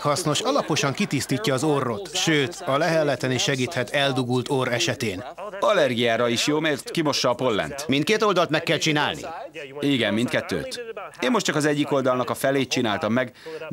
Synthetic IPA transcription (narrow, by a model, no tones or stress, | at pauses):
hɒsno̞ʃɒlɒpo̞ʃɒŋkit̪ist̪iːcːɒːzorːo̞t̪ʃøːt̪ɒlɛɦɛlːɛt̪ɛniʃɛɡiːt̪hɛt̪ɛld̪uɡult̪oɾɛʃɛt̪eːnɒlːɛrɡijaːɾɒiʃjoːmert̪kimo̞ʃːɒːpo̞lːɛ̰nt̪mint̪̚keːt̪o̞ld̪ɒlt̪mɛkːɛlt͡ʃina̰ːlnḭiɡɛmːint̪̚kɛt̪ːø̰ːt̪eːnmo̞ʃtt͡ʃɒkɒzɛɟːiko̞ld̪ɒlnɒkɒfɛleːt̪̚t͡ʃinaːlt̪ɒmːɛɡ